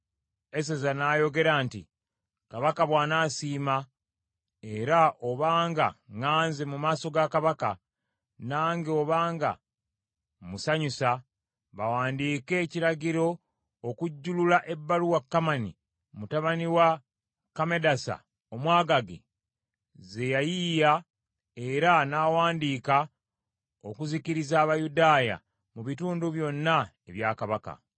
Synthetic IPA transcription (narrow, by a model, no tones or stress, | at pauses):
es̬ezanaːjo̞ɡe̞ɾaːntḭ | kaβakaβwaːnasiːma | e̞ɾaʔo̞βaːŋɡa̰ŋaːnze̞mumaːso̞ɡakaβaka̰ | naːŋɡeo̞βaːŋɡa̰ | musaɲusa | βawaːndiːke̞ːciɾaɟiɾo̞ː | kuɟːululaʔe̞bːaluwakːamanḭ | mutaβaniwa | kame̞dasa̰ | omwaːɡaɡḛ | ze̞jajija | e̞ɾanaːwaːndiːka | okuziciɾizaːβajudaːja̰ | muβituːnduβjo̞nːaeβjaːkaβaka̰